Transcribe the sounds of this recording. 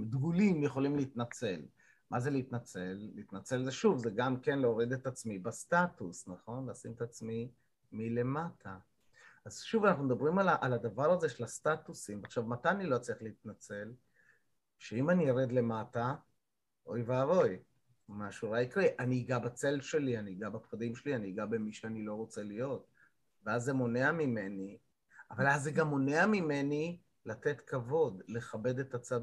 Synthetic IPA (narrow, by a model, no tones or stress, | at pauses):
d̪ɡulimjeχo̞limliit̪nat͡se̞l | mʔaze̞liit̪nat͡se̞lːiit̪nat͡se̞lzeʃuvzeɡamkenleoʁid̪et̪at͡smibastatusnaχo̞nlaːsimet̪at͡smi | mile̞matʰa | ʔazʃuvanaχnumd̪abʁimalaʔalad̪avaʁaze̞ʃe̞lastat̪usimbeaχʃavmat̪anilo̞t͡seχleit̪nat͡se̞l | ʃeimanijaʁed̪le̞mata | ʔo̞jvaavo̞j | maʃuʁaikʁiʔaniːɡabat͡se̞lʃe̞lianiɡabapχad̪imʃelianiːɡabemiʃeanilo̞ʁo̞t͡se̞lijo̞t̚ | veazːemo̞ne̞amime̞ni | avalazːeɡamo̞neamime̞ni | late̞tkavo̞dle̞χabe̞d̪e̞t̪at͡sad